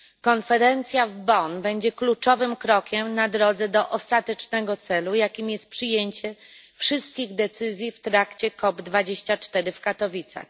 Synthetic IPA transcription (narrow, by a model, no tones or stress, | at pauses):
kɔnfɛɾɛnt̪sʲjavbɔnbɛɲd͡ʑɛklut͡ʂɔvɘmkɾɔkʲɛmnad̪ɾɔd̪zɛd̪ɔʔɔst̪at̪ɛt͡ʂnɛɡɔt̪sɛlujakʲimjɛst̪̚pʂɘjeɲt͡ɕɛfʂɘst̪̚kʲiɣd̪ɛt̪sɘzʲjift̪ɾakt͡ɕɛkɔbd̪vad͡ʑeɕt͡ɕat͡ʂt̪ɛɾɘfkat̪ɔvʲit̪sa̰x